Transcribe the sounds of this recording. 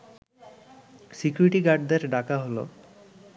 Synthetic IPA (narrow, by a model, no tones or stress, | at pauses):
sikuɾiʈiɡaɾɖd̪eɾɖakaɦolo̰